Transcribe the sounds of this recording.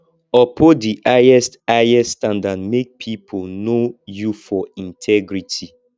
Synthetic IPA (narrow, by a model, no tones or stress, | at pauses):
ɔpʰodiʔajɛstaɛstãndadmek̚pʰipʰonojufɔĩntʰɛɡɹitʰi